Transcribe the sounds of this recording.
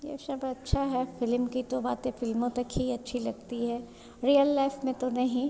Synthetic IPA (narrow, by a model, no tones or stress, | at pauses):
jḛsɐbɐtːʃʰaɦɛfɪlmkit̪obaːt̪ẽfɪlmõt̪ɐkɦiɐtːʃʰilɐɡ̚t̪iɦɛː | ɾijəlːaɪfmẽt̪onɐɦĩ